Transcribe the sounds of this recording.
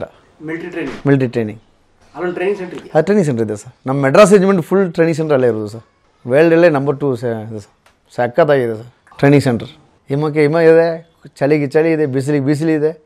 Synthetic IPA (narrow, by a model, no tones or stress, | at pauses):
milʈiʈɾeːniŋmilʈ̬iʈɾeːnḭ̃ŋɡ | ɐdɐʈɾeːnĩŋseɳʈɾɐd̪uʈɾeːnĩŋs̬eɳʈɐɾid̪esaːɾnɐmːɐmɛɖɾas̬ed͡ʒmeɳʈfulːʈɾeːnĩŋs̬eɳʈɐɾɐlːɐiɾuːd̪usaːɾ | ʋeːlɖelːenɐmbɐɾʈuːsid̪esaːɾ | sekːat̪aːɡiːd̪esaːɾ | ʈɾeːnĩŋseɳʈɐɾ | imɐk̬ːeimɐid̪e | t͡ʃɐliɡet͡ʃɐliid̪ebis̬ilibis̬iliːd̪e